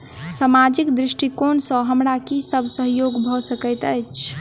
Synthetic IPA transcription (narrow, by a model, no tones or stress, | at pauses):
samad͡ʒikd̪ɾiʃʈikonsə̃ɦəmɾakisəbʱsəɦjoɡbʱɔsəkət̪əjt͡ʃʰ